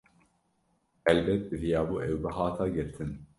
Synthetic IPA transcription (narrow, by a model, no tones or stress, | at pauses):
ʔɛlbɛt̪̚bɨvijaːbuːʔɛwbɨɦɑːt̪ʰaːɡɨɾt̪ʰɨn